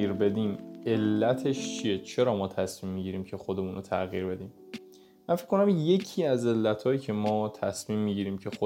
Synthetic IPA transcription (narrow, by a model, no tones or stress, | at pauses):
iːɾbe̞d̪iːme̞lːæt̪ʰeʃt͡ʃʰije̞t͡ʃʰe̞ɾɒːmɒːt̪ʰæsmiːmːiɟiɾiːmcʰe̞xod̪e̞muːnʔot̪ʰæɣiːɾbe̞d̪iːm | mænfi̥kʰkːo̞næmje̞cʰiæze̞lːæt̪ʰɒːjiːcʰe̞mɒːt̪ʰæsmiːmːiːɟiːɾiːmcʰe̞xo